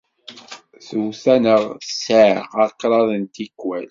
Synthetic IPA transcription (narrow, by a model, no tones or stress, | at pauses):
θuwθænəʁsəʕʁəˤkːɾˤɑðənt̪ikːwæl